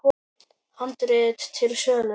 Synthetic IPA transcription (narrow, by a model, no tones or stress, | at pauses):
hant̪ɾɪːðt̪t̪ʰɪlsœːnʏ